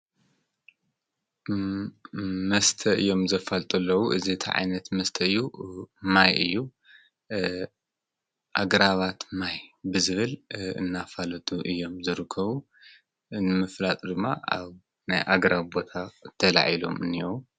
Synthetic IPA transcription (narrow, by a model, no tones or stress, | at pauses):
mɐst̪ʰɐʔɨjːo̞mzɐfɐlt̪ʼɐlːɐwuʔɨziɨt̪ʰiʕa̰jnɐt̪mɐst̪ʰɐɨjːumajɨ̰jːu | ʔa̰ɡɾaβat̪majbɨzɨβɨlɨ̰nːafalɐt̪ʼuʔɨjːo̞mzɨɾɨkʰːɐβu | nɨmɨflat̪ʼd̪ɨmːa̰a̰β | na̰jʔaɡɾaβbo̞t̪ʰat̪ʰɐla̰ʕilo̞̰mɨ̰nːiu